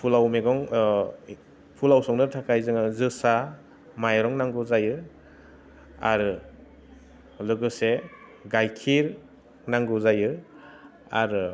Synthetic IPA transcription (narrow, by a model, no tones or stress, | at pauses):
pʰulawmeɡɔŋ | pʰulawsɔŋnɯtʰakʰajzɯŋɯzɯsa | majɾɔŋnaŋɡɯzajɯ | a̰ɾɯ | lɯɡɯse | ɡajkʰiɾ | naŋɡɯzajɯ | a̰ɾɯ